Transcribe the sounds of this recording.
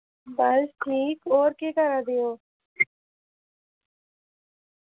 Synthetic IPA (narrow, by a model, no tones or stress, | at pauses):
bəlsʈʰiːkoːɾkekəɾad̪ejoː